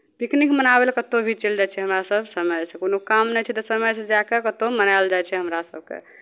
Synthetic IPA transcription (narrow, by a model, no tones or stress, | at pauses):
piknikmənabelkət̪obʱit͡ʃeld͡ʒat͡ʃʰɛɦəmɾasəbʱsəməjsekonokamnɛjt͡ʃʰɛt̪əsəməjsẽd͡ʒakekət̪omənald͡ʒajt͡ʃʰɛɦəmɾasə̰b̚ʱkḛ